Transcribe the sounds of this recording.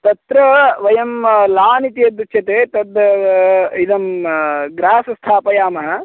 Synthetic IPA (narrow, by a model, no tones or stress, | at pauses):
t̪ɐt̪ɾɐʋɐjɐmlaːnit̪ijɐd̪ut͡ʃʰɐt̪eːt̪ɐd̪ | id̪ɐmɡɾaːsɐst̪ʰaːpɐjaːmɐɦɐ̆